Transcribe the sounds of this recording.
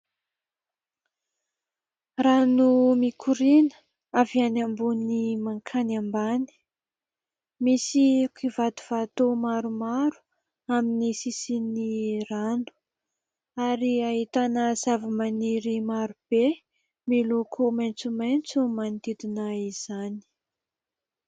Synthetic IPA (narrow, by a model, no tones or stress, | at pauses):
ranumikʰuɾinə̥ | avianambunimaŋkʰanambani̥ | misikivat̪u̥v̥at̪omaɾumaɾu̥ | aminisisiniranu̥ | aɾiaɦit̪anəzavəmaniɾimaɾub̥e | milokʰumajnt͡sumajnt͡sumand̪id̪inaiz̥ani̥